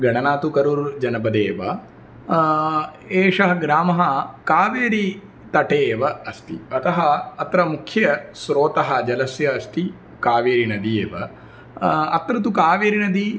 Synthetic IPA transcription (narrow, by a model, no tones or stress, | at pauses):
ɡɐɳɐnaːt̪ukɐɾuɾd͡ʒɐnɐbɐd̪eːʋɐ̰ | eːʂɐɦɐɡɾaːmɐɦɐkaːʋeːɾi | t̪ɐʈeːʋɐɐst̪ḭɐt̪ɐɦɐɐt̪ɾɐmukʰjɐsɾoːt̪ɐɦɐ̆d͡ʒɐlɐsjɐːst̪i | kaːʋeːɾinɐd̪ieːʋɐ̰ | ɐt̪ɾɐt̪̬ukaːʋeːɾinɐd̪i